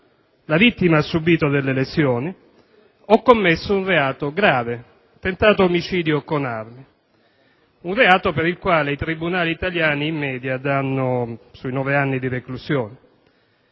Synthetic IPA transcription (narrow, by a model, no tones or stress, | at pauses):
lavit̪ːimaasːubiːt̪od̪elːelesjɔːni | ɔkːomːesːounreaːt̪oɡɾaːve | t̪ent̪aːt̪oːmit͡ʃiːd̪jokonarmi | unreaːt̪opeɾilkwaːleit̪ɾibunaːliːt̪aljaːniːmːɛːd̪jad̪anːosuinɔːveanːid̪ireklusjɔːne